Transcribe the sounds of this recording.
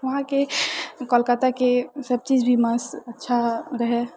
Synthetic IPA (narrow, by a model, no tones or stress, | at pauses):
ʋɐɦãkekəlkət̪akesəb̚t͡ʃiːd͡ʒbʱiməsətːʃʰaɾəɦɛ